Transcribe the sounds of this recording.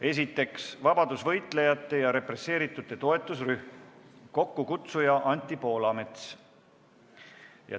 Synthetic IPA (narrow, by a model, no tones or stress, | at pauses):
e̞s̬it̪ːˑe̞ksvɑb̥ɑd̪̥usvɤ̞jt̪ˑle̞jɑt̪ːˑe̞jɑɾe̞pre̞se̞ːɾit̪ːˑut̪ːˑe̞t̪o̞e̞t̪ːˑusryhmko̞kːukut̪sujɑʔɑnʲt̪ːˑipo̞ːlɑme̞t̪s | jɑ̰